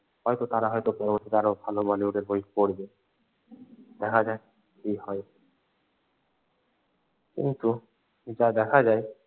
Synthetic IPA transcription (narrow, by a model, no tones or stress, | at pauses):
hɔjt̪ot̪aɾaɦɔjt̪opɔɾomoʈ̪ʰeɾaɾobʱalomaliuɖeɾbojikpoɾbe | d̪̥ɛkʰad͡ʑae | kihɔe | kḭnt̪u | d͡ʑad̪ɛkʰad͡ʑae